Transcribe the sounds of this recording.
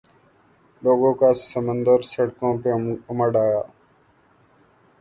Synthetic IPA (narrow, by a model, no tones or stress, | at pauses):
loːɡõːkaːssəmənd̪əɾsəɽkõːpeːʊməɖaːjaː